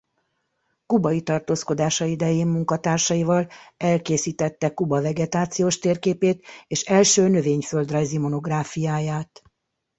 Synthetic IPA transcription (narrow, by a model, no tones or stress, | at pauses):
kubɒit̪ɒrt̪oːsko̞d̪aːʃɒid̪ɛjeːmmuŋkɒt̪aːrʃɒivɒlɛlkeːsiːt̪ɛt̪ːɛkubɒvɛɡɛt̪aːt̪sijoːʃt̪eːrkeːpeːt̪eːʃɛlʃøːnø̞veːɲfø̞ld̪rɒjzimo̞no̞ɡraːfijaːjaːt̪